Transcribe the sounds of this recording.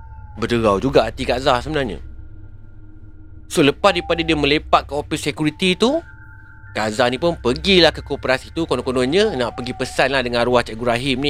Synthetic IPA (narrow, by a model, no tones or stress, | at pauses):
bədəɡawd͡ʒuɡaʔat̪ikazahsəbənarɲə̰̃ | soləpasdipadadiəmə̃lepat̪̚kəopisekuɾit̪it̪u | kaʔzanĩpʊnpəɡilahkəkopəɾasit̪ukonõkonõnɲə̃naʔpəɡipəsanlahdəŋãnɾuaht͡ʃaʔiɡɾaɦimni